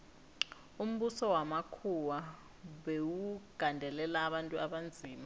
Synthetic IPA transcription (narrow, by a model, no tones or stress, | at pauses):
um̩ɓusɔwamakʰuwa | ɓewuɡ̥ʱandʱɛlɛlaːɓantʼuaɓand͡zʱiːma